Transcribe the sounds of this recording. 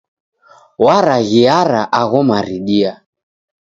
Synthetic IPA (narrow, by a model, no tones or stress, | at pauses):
waɾaɣiaɾaʔaɣɔmaɾiɗia